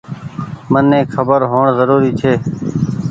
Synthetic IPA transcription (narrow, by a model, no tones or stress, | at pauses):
mənːẽːkʰəbəɾɦoːɳzəɾuːɾiːt͡ʃʰeː